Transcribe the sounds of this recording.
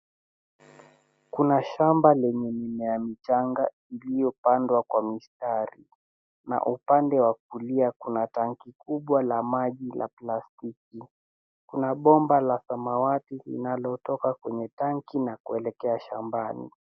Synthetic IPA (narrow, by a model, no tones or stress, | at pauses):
kunaʃambalɛɲɛnimɛjamit͡ʃaŋɡa | ilijɔpandwakwamistaɾi | na̰ʔupandɛwak̚uliakunataŋkikuɓwalamaʄila̰plastiki | kunaɓɔmbalasamawatilḭnalɔtɔkakwɛɲɛtaŋkinakuɛlɛkɛaʃambanḭ